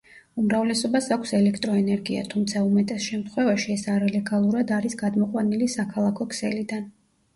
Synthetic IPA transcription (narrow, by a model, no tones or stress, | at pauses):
umɾavlɛsɔbasakʷʰsɛlɛkʰt̪ʼɾɔɛnɛɾɡia̰t̪ʰumt̪sʰaumɛt̪ʼɛsʃɛmt̪ʰχwɛvaʃiɛsaɾalɛɡalˠuɾad̪aɾisɡad̪mɔqʼwanilisakʰalˠakʰɔkʰsɛlid̪an